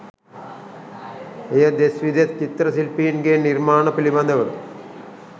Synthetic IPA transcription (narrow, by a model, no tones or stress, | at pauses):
ejɐd̪esʋid̪jɐt̪t͡ʃit̪ɾɐsilpiːnɡeniɾmaːɳɐpilibɐnd̪ʱɐʋɐlu